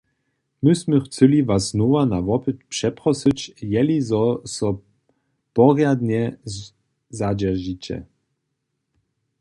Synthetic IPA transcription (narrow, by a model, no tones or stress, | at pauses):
mɨsmɛxt͡sɘlʲivasznɔvanavɔpɨt̪pʂɛpɾɔsɨt͡ɕjɛlizɔsɔ | pɔrjad̪ɲɛ | zad͡ʑɛʒit͡ɕɛ̰